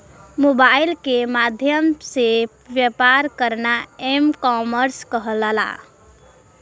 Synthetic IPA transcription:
mobailkemad̪ʱjəmse | bjepaɾkəɾnaemkɔməɾskəɦələla̰

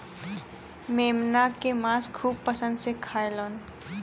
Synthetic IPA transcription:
meːmnakemãːskʰuːb̚pəsə̃nd̪sekʰaːeloːn

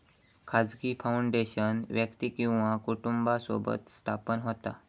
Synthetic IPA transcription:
kʰad͡zkiːfauɳɖeɕənʋjəkt̪ikĩw̃ʋakuʈumbaso̰bə̰t̪st̪ʰapənɦot̪a̰

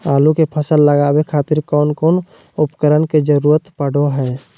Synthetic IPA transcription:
aːlukepʰəsəlːəɡaːbekʰaːt̪ɪɾkɔːnkɔːn | ʊpkəɾənked͡ʒəɾuːɾət̪pəɽ̤oɦɛː

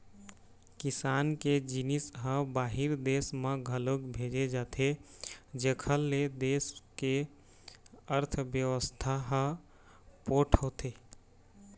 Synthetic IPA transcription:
kisanked͡ʒinisɦə̃baɦiɾd̪esmeɡʱəlokbʱed͡ʒed͡ʒat̪ʰed͡ʒekʰəlːed̪eske | əɾt̪ʰbjəʋəst̪ʰaɦə̃ | poʈʰot̪ʰe

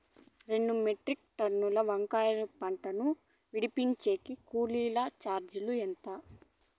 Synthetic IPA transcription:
ɾe̞ɳɖumeʈɾik̚ʈɐnːulɐʋɐŋkaːjɐnupɐɳʈɐnu | ʋiɽipiɲt͡ʃeːkikuːliːlɐt͡ʃaːɾd͡ʒuluent̪ɐ

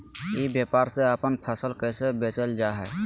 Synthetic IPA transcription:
ibjepaɾseəpənpʰəsəlkəsebet͡ʃəld͡ʒaɦɛ

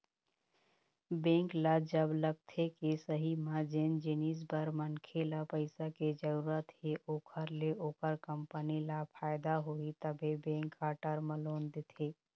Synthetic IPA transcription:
bẽːŋklad͡ʒəbləɡ̚t̪ʰekisəɦimãd͡ʒend͡ʒɪniːs̬bəɾmənkʰelapəɪsaked͡ʒəɾuːɾət̪eʔoːkʰəɾleʔoːkəɾkə̃mpənilapʰaːɪd̪aɦoit̪əbʱibẽːŋkːaʈəɾməloːnd̪et̪ʰeː

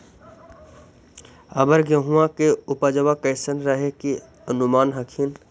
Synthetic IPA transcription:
əbəɾɡəɦuãkeʊpad͡ʒəʋakəɪsənɾəɦeki | ənʊmaːnɦəkʰin

